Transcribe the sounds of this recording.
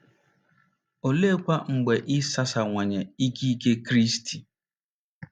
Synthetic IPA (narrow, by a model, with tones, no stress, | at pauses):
o˨le˦kʷa˦ŋ͡m̩˨ɡ͡be˨ʔɪ˦sa˦sa˨ŋʷe˨ɲe˨i˦ki˦ke˦kɾi˦sti˨